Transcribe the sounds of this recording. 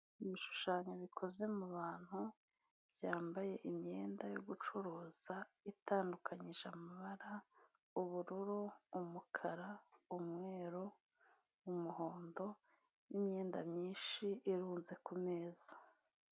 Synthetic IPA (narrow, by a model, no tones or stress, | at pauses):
iβiʃu̥ʃaːɲoβikʰo̞ze̞muβaːn̥hu | bjaːmbaje̞ʔimɲe̞ːndajoɡut͡ʃuɾoːz̥aitaːndukʰaɲiʒamaβaɾa | uβuɾuɾuːmukʰaɾaumŋe̞ːɾoː | muɦo̞ːndo̞ | nimɲe̞ːnda̰mɲiːnʃiːɾuːnze̞kume̞ːza